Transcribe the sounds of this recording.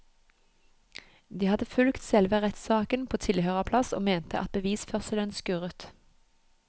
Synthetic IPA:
d̪iːhɑd̪əfʉlkt̪sɛlʋəʁɛt̪sɑːkənpʰoːt̪ʰɪlhøːʁəpʰlɑso̰ːmeːnt̪əʔɑ̰t̪̚bəʋiːsfœʁsələnskʉʁət̪

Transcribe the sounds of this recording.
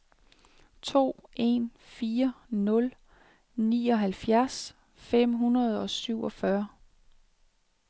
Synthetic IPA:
t͡sʰo̝̰ːʔe̝̰nfiːɐnɔ̽l | nḭːɒ̽ɦælfjæɐs | fem̰ɦunɐð̞̩ˠɒ̽syʊ̰ʔɒ̽fɶɐ

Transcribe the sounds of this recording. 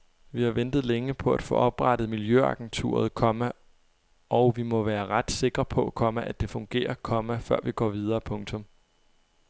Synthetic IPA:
ʋihɑ̈ʋend̥ð̞̩ˠleŋəpʰɒ̽æd̥fɔ̰̽ʔɒ̽b̥ʁɑɾ̥ð̩ˠmiljøɑ̈ɡ̥ent͡sʰṵːɐð̞ˠkʰɒ̽mæ | ɒʊʋimɒ̽ʋæːɐʁad̥se̝ɡ̥ʁɐpʰɒ̽ʔækʰɒ̽məʔæd̥e̝fɔ̽ŋɡ̥e̝̰ːɐkʰɒ̽mæfɶɐ̰ʋiɡ̥ɒ̰ːʋið̞ˠɐːpʰɔ̽ŋt͡sʰɔ̽m

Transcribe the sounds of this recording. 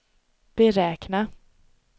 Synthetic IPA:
b̥ɛɾɛːkna

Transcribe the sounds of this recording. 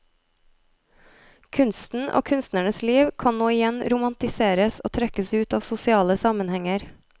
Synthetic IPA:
kʰʉnst̪n̩ʔo̰ːkʰʉnst̪næɳəsliːʋkʰɑnnoːɪjɛnɾʊmɑnt̪ɪseːɾəsoːt̪ʰɾɛkəsʉːt̪ɑːʋsʊsɪɑːləsɑmənhɛŋəɾ

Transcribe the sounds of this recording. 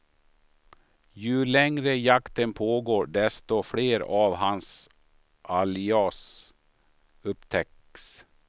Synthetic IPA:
jɵlɛŋɾəjakt̪ənpʰoːɡoːɖɛst̪ɔfɽeːɾaːvɦans | ʔalɪɑs | ɵpt̪ʰɛk | s

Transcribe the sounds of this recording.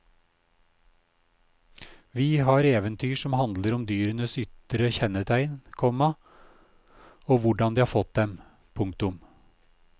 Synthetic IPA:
ʋiːɦɑːɾeːʋənt̪ʰyːʂɔmhɑnd̪ləɾɔmd̪yːɾənəsʏt̪ɾəçɛnət̪ʰæɪnkʰɔmɑ | oːʋʊɖɑnd̪iːɑːfɔt̪̚d̪ɛm | pʰʊŋkt̪ʊm

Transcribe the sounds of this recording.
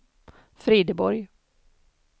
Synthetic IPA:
fɾiːd̪əbɔɾj

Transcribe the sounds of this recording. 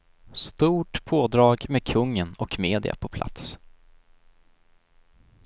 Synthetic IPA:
st̪uːʈpʰoːd̪ɾɑːɡmekʰɵŋːənɔkmeːd̪ɪ̰a̰pʰɔpʰla̰t̪s

